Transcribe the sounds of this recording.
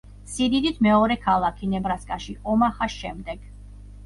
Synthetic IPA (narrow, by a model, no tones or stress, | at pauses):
sid̪id̪it̪ʰmɛɔɾɛkʰalˠakʰinɛbɾaskʼaʃiʔɔmaχasʃɛmd̪ɛɡ̥